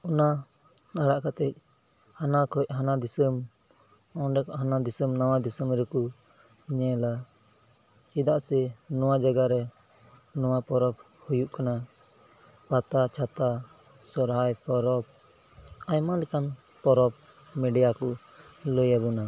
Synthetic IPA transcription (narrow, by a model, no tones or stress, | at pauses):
ɔna | aɽaʔkat̪ɛc̚ˀ | hanakʰɔc̚ɦanad̪isəm | ɔ̃ɖɛkɔʔɦanad̪isəmnawad̪isəmɾɛku | ɲɛ̃la | id̪aʔsɛnɔwad͡ʒaɡaɾɛ | nɔwapɔɾɔp̚ | hujuʔkana | pat̪at͡ʃʰat̪a | sɔɾɦajpɔɾɔp̚ | ajmalɛkan | pɔɾɔp̚ | mɛɖijakɔ | ləjabuna